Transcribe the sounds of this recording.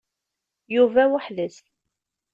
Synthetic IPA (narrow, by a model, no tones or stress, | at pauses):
juvæwəħləs